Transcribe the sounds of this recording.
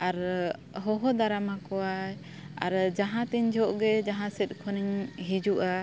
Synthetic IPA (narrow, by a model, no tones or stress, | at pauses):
aɾɦɔɦɔd̪aɾamakɔaj | a̰ɾd͡ʒaɦãt̪iɲd͡ʒɔʔɡɛd͡ʒaɦãsɛt̪̚ˀkʰɔniɲɦid͡ʒuʔa